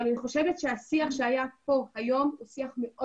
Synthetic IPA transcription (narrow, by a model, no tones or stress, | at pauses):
alaniχo̞ʃevetʃeasiaχʃeajapo̞hajo̞musiaχmeʔo